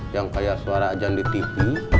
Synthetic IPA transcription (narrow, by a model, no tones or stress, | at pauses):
jaŋkajasuaɾaːd͡ʒaŋdit̪ifi